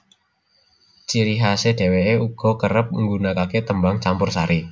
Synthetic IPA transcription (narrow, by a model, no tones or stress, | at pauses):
t͡ʃiɾiɦaseɖ̥e̤weeuɡ̥ɔ̤kəɾəp̚əŋɡunakaket̪əmbaŋt͡ʃampʊrsaɾi